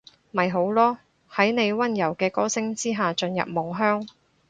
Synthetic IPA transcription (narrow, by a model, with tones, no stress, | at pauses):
mɐ˨jɦo˨˥wlɔː˥ | hɐ˨˥jne˨˧jwɐ˥njɐ˨˩wkɛː˧kɔː˥sɪ˥ŋt͡siː˥ɦaː˨t͡ʃɵ˧njɐ̰˨p̚mʊ˨˩ŋɦœː˥ŋ